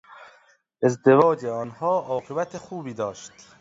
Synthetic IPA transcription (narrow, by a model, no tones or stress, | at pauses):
ʔe̞zd̪evɒːd͡ʒeɒːnhɒːʔɒːɣebæt̪ʰexuːbiːd̪ɒːʃt̪